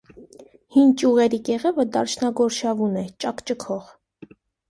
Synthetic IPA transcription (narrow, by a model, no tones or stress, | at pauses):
hint͡ʃʼjuʁɛɾikɛʁɛvəd̪ɑɾt͡ʃʰnɑɡɔɾʃɑvunɛt͡ʃʼɑkt͡ʃəkʰɔʁ